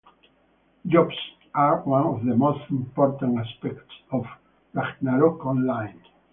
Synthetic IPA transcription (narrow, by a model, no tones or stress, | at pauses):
d͡ʒɔbs | aɹwãnɔvðəmost̪ĩmpɔɹt̪ãnaspɛktsɔv | maknaɾɔkɔ̃nlãj̃n